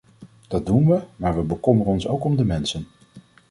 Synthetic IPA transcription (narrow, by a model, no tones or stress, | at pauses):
d̥ɑd̚dunʋəmaːɹʋəbəkɔmərənɔnsowkɔmdəmɛnsən